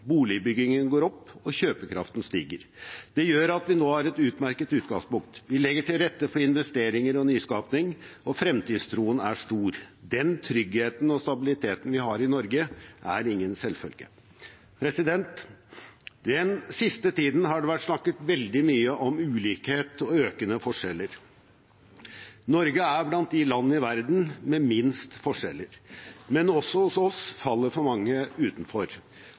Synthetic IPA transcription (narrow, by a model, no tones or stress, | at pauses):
buːlɪbʏɡɪŋənɡoːɾɔpːɔçøːpəkʰɾɑ̰ft̪n̩st̪iːɡəɾd̪̥ɛjøːɾɑt̪ʋɪnoːhɑɾɛt̪ʉːt̪mæɾkət̪ʉːt̪ɡɑŋspʊŋk̚t̪ʋɪlɛɡːəʈʰɪlɾɛt̪ːəfɔɾɪnʋɛst̪eːɾɪŋəɾɔnyːskɑːpnɪŋɔfɾɛmt̪ʰiːd̪st̪ʰɾuːənæʂt̪uːɾd̪ɛnt̪ʰɾʏɡheːt̪n̩ɔst̪ɑbɪlɪt̪ʰeːt̪n̩ʋɪɦɑɾɪnɔɾɡəʔæɾɪŋːənsɛlfœ̰lɡə̰ | pʰɾɛsɪd̪ɛnt̪ | d̪ɛnsɪst̪ət̪ʰiːd̪n̩ɦɑɖɛʋæʈsnɑkːət̪ʋɛld̪ɪmyːəʔɔmʉːliːkheːt̪ɔøːkənəfɔʂɛlːəɾ | nɔɾɡəæɾblɑnt̪̚d̪ɪlɑnːəɪʋæɾd̪n̩mɛmɪnst̪fɔʂɛlːəɾmɛnɔsːɔhʊsɔsfɑlːəɾfɔɾmɑŋːəʉːt̪n̩fɔɾ